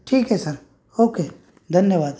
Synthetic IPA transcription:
ʈʰiːkɦɛsɐɾ | oːkeː | d̪ʱɐnjəʋaːd̪

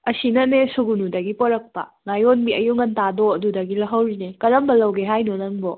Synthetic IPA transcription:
ɐsinɐnesuɡunudɐɡipoɾɐk̚pɐ̰ŋajonbiɐjuŋɐntadoɐdudɐɡilɐɦɐwɾinekɐɾɐmbɐlɐwɡeɦajnonɐŋbɔ

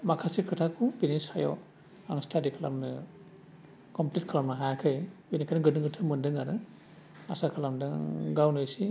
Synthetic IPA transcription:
makʰasikʰɯtʰakʰupinishajɔ̰ | aŋstʰadikʰala̰mɯ | kɔmplit̚kʰalamnaɦajkʰɯjbinikʰanɯɡɯnɯŋɡɯtʰɯmɯndɯŋaɾɯ | asakʰalamdɯŋɡawnɯjsi

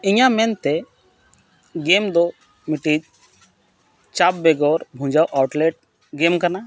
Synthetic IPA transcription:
iɲamɛnt̪ɛ | ɡemd̪ɔ | miʈid͡ʒ | t͡ʃabbɛɡɔɾbʱũd͡ʒawʔawʈlɛʈ̚ | ɡemkana

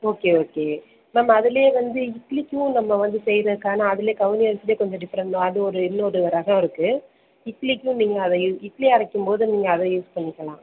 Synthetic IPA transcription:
oːkeːoːkeː | naːmɐːðɪleːʋɐnd̪ɯɪkːlɪkʲːʋʊ̃nɐmːɐʋɐnd̪ɯsɛjɾɐðɯkːaːnaːɐðɪleːkɐʋɪnɪɐɾsɪleːkɔɲd͡ʒɔ̃ɖɪpɾɐnɖõɐðɯɔɾɯɪnːoːɾɯɾɐɣɐ̃ɪɾɯkːɯ | ɪkːlɪkʲːʊ̃niːŋɡɐːðɐjũɪkːliɐɾɐkːɯmpoːðɯniːŋɡɐːðɐjuːspɐɳːɪkːɐlã̰ː

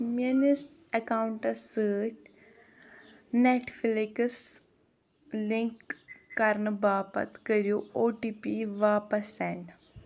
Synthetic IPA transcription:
munɪs | ɛkaːwɳʈəsəːt͡ʃ | nɛʈʰfɪlekəs | lɪŋkːɐɾnbaːpə̰t̪kəɾijoːoːʈiːpiʋaːpəsɛɳɖ

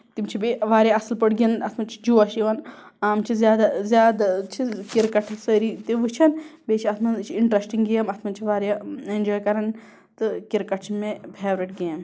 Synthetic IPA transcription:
t̪imt͡ʃʰibiʋaːɾjaɐslpɐɽɡʲiɐnɐt̪ʰmɐnt͡ʃʰi̥d͡ʒuɐʃiʋɐnaːmt͡ʃʰizjaːd̪azjaːd̪at͡ʃʰikiɾkɐʈʰsəɾit̪iʋɨt͡ʃʰɐnbeːt͡ʃʰiɐt̪ʰmɐnt͡ʃʰiiɳʈɾɐsʈiŋɡɡijɐmɐt̪ʰmɐnt͡ʃʰiʋaːɾʲjaend͡ʒɔːjkɐɾɐn | t̪ɨkiɾkɐʈʰt͡ʃʰimẽbʰʱeːʋɾɐʈ̚ɡijɐm

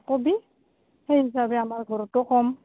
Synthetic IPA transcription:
kobi | hejɦis̬abɛamaɹɡʱɔɹɔtʊkɔm

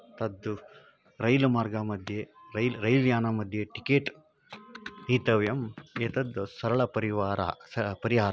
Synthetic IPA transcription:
t̪ɐd̪ːu | ɾɐjlumaːɾɡaːmɐd̪ʱjeɾɐjlɾɐjljaːnamɐd̪ʱjeʈikeːʈ | niːt̪ɐʋjɐmeːt̪ɐd̪ːsɐɾɐɭɐpɐɾiʋaːɾa̰pɐɾiɦaːɾa

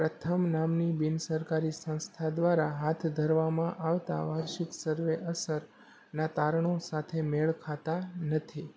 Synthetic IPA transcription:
pɾət̪ʰəmnamnibinsəɾkaɾisə̃w̃st̪ʰad̪ʋaɾaɦat̪ʰd̪ʱəɾʋamãʔaʋt̪a̰ʋaɾʃɪksəɾʋeʔəsəɾ | nat̪aɾəɳ̃osat̪ʰemeɭkʰat̪anət̪ʰi

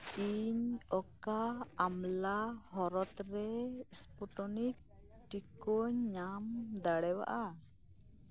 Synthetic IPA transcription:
iɲɔkaːmlahɔɾɔt̪ɾɛspɔʈɔnik̚ | ʈikɔɲɲamd̪aɽɛwa̰ʔa

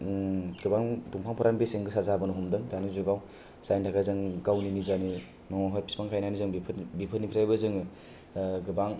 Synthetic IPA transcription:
ɡɯbaŋtuŋpʰaŋpʰɯɾaŋbiseŋɡɯsazabɯnɔɦumdɯŋdanizuɡaw | sajntʰakʰazɯŋɡawninizani | nɔɦɔɾpi̥spaŋkʰajnanizɯŋbipʰbipʰɯnipʰiɾajbɯzɯŋ | ɡɯbaŋ

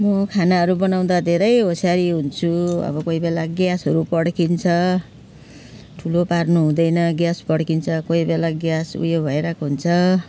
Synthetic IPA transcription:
mʌkʰanaɦʌɾubʌnaw̃d̪ad̪ʱeɾʌjɦosaɾiɦunt͡sʰuʌ̰bʌkoibelaɡjasɦʌɾupʌɽkint͡sʰʌ | ʈʰuloparnuɦũd̪ʌjnʌɡjaspʌɽkint͡sʰʌkoibelaɡjasṵjobʱʌeɾʌkoɦunt͡sʰʌ

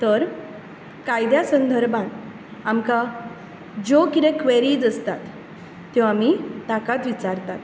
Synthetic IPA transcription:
t̪əɾ | kajd̪jasənd̪ʱəɾbãn | amka | d͡ʑokit̪ẽkʋeɾiːd͡zəst̪at̪ː | jɔ̃amit̪akat̪ʋit͡saɾt̪at̪

